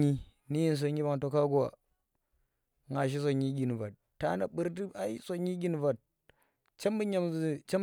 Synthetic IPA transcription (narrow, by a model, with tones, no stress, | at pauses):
i˦ | ni˦ji˦n˨s̬o˨ɲi˦ba˨ŋto˨ka˦ɡu˦wa̰˨ | ŋa˨ʃ̬i˦s̬o˨ɲi˦ɡʲi˨n˨va˨t̚ːa˦na˨ɓu˦ɾdi˦a˦i˦so˨ɲi˦ɡʲi˦n˨va˨t̚ | t͡ʃa˦mbu˦ɲa˨m˨t͡ʃe˦